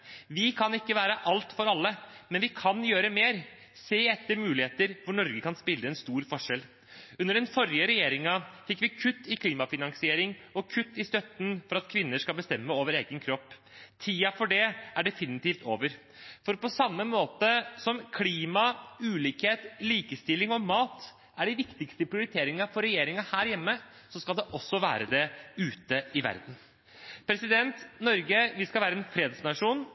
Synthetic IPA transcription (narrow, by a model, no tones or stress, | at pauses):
ʋɪkʰɑnɪkːəʋæːɾəʔɑlt̪fɔɾɑlːəmɛnʋɪkʰɑnjøːɾəmeːɾ | seːɛt̪ːəɾmʉːlɪheːt̪əɾʋʊɳɔɾɡəkɑnspɪlːəɛnst̪uːɾfɔʂɛl | ʉnːəɖɛnfɔɾjəɾɛjeːɾɪŋəfɪkːʋɪkʰʉt̪ːɪkʰliːmɑfɪnɑŋsɪeːɾɪŋɔkʰʉt̪ːɪst̪œt̪ːn̩fɔɾɑt̪kʰʋɪnːəʂkɑlbəst̪ɛmːəoːʋəɾeːɡənkʰɾɔpː | t̪ʰiːɑfɔɖɛæɖɛfɪnɪt̪iːft̪ʰoːʋəɾ | fɔɾpɔsɑmːəmoːt̪əsɔmkʰliːmɑʉːliːkheːt̪liːkəst̪ɪlːɪŋɔmɑːt̪ | æɖɪʋɪkt̪ɪkst̪əpʰɾɪʊɾɪt̪ʰeːɾɪŋɑfɔɾɛjeːɾɪŋɑhæːɾjɛmːə | sɔskɑld̪ɛʔɔsːɔʋæ̰ːɾəd̪ɛʉːt̪əɪʋæ̰ɾd̪n̩ | pʰɾɛsɪd̪ɛnt̪nɔɾɡəʋɪskɑlʋæːɾəɛːnfɾeːd̪snɑʂuːn